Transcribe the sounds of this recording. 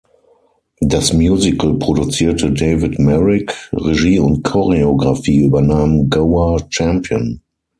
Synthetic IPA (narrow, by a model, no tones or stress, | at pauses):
dasmjuːzɪkl̩pʁ̥odut͡siːɐtʰədeɪvɪtmɛʁɪkʁeʒiːʊnt̚kʰɔʁeoɡʁafiːyːbɐnaːmnɡoʊat͡ʃɛ̃mpʰjə̰̃n